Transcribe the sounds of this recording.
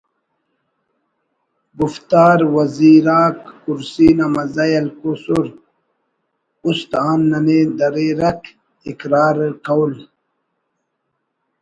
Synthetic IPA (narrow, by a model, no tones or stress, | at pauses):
ɡuft̪aːɾwɐziːɾaːkːuɾsiːnamɐzajɐlkusuɾ | ust̪aːnːɐned̪ɐɾeɾɐk | ikɾaːɾkawul